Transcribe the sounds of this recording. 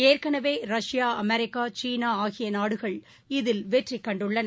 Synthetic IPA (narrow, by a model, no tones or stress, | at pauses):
eːrkɐɳɐʋeːɾɐʂɪjaːɐmɛɾɪkːaːt͡ʃiːnaːaːɣɪjɐnaːɽɯɣɐɭ | ɪðɪlʋeːʈrɪkːɐɳɖɯɭːɐnɐ